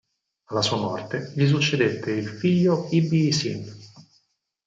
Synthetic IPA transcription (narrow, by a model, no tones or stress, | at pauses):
alːasuːamɔ̰rt̪eʎis̬ut͡ʃːed̪et̪ːeilfiʎːoibisin